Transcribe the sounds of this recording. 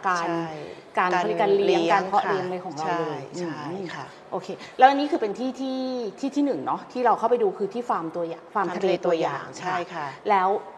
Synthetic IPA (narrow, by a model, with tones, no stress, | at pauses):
kaː˧n˥j | kaː˧nː˧˦kaː˧nli˦əŋ˧kaː˧ŋkʰɔ˦˥ʔɾi˧əŋlaː˧jkʰɔː˩˦ŋɾa˧wlɤː˧jʔɯː˧˩˥ | ʔoː˧kʰeː˧lɛː˦˥ʔa˧nːiː˦˥kʰɯː˧pe˧nt̪ʰiː˥˩t̪ʰiː˥˩t̪ʰiː˥˩t̪ʰiː˥˩nɯ˨˩ŋnɔ˦˥t̪ʰiː˥˩ɾa˧wkʰa˥˩pa˧jduː˧kʰɯː˧t̪ʰiː˥˩faː˧mt̪u˧ɐjaː˨˩ŋfaː˧mt̪ʰa˧leeː˧t̪u˧əja̰ː˨˩ŋt͡ɕʰa˦˥˩jʰa˩lɛː˦˥w